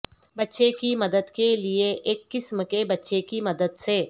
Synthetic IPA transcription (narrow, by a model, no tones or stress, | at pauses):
bɐtːʃekimɐd̪əd̪kelieʔeːkːɪsmkebɐtːʃekimɐd̪əd̪seː